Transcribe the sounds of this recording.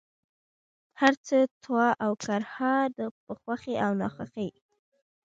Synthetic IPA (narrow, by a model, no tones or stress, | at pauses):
haɾt͡sət̪wɑʔawkaɾhɑd̪əpəxwaxeʔawnɑ̰xaxəj